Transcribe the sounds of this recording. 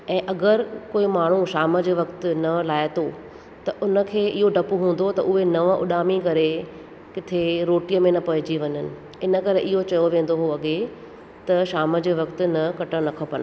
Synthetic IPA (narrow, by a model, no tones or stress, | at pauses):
ɛ̃ːʔɐɡəɾkoːimaːɳ̤uʃaːməd͡ʑoʋɐkt̪nɐlaːɪt̪o | t̪ɐʔʊnə̆kʰeːɪɦoɖʱɐpuɦũːn̆d̪ot̪ɐ̰ʔʊɦenɐʋə̃ʔʊ̰ɗaːmikɐɾe | kɪt̪ʰeɾoːʈijəmẽnɐpɐɦɪd͡ʑiʋɐɲənɪ̆ | ɪnəkɐɾeʔɪɦot͡ɕɐjoʋẽːn̆d̪oɦoɐɠe | t̪ɐʃaːməd͡ʑəʋɐkt̪ʊ̆nɐkɐʈəɽnɐkʰəpən